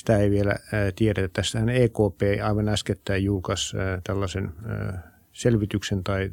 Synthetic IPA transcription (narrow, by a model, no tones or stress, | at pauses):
st̪æeiʋielæ̰t̪ieɾæt̪ːet̪ːæst̪æhæneːkoːpeːɑiʋɑnæsket̪ːæijjuːkɑst̪ælːɑsen̰ː | selʋit̪yksent̪ɑi